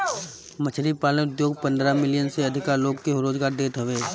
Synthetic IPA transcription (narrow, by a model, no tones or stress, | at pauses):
mət͡ʃʰɾipaːlneʊd̪joːɡpə̃nd̪ɾamɪljənseɐd̪ʱɪkaɾloːɡkeɦʊɾoːd͡ʒɡaːɾd̪eːt̪ʰəʋeː